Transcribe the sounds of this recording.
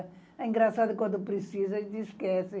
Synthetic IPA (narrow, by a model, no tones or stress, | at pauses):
ɐ | ɐĩŋɡɾɐsaðukwɐ̃nd̪upɾɨsizɐʃt̪iʃkɛsi